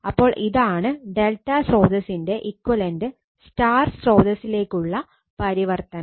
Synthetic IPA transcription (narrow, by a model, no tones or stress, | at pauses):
ɐpːo̞ːɭʔiðaːɳɨɖe̞lʈːɐsro̞ːd̪ɐsinde̞ʔikːwɐlɐndɨ | staːrsro̞ːd̪ɐsile̞ːkːuɭːɐ | pɐɾiʋɐrt̪ɐnɐ